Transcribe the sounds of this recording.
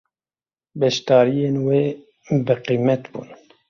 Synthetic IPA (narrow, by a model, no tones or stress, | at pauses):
bɛʃt̪ɑːɾijeːnweː | bɨqiːmɛt̪bṵːn